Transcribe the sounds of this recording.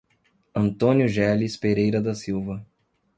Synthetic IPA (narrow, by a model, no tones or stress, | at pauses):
ɐ̃nt̪õnjʊʒɛlispeɾejɾɐd̪ɐsiwvɐ